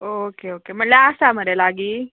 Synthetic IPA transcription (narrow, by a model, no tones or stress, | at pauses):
oːkeoːkem̤əɳləəsam̤əɾelaɡiː